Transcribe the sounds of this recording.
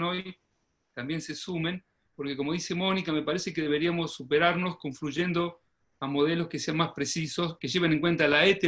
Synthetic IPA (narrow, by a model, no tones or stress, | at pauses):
noj | t̪ambje̞nsesumẽ̞n | po̞ɾkeko̞mo̞ðisemo̞nikame̞paɾese̞keðe̞β̞e̞ɾiamo̞sːupeɾaɾno̞sko̞ɱfluʒe̞nd̪o̞ | amo̞ð̞elo̞ske̞se̞anmaspɾesiso̞ske̞ʒe̞β̞eneŋkwe̞nt̪alaet̪e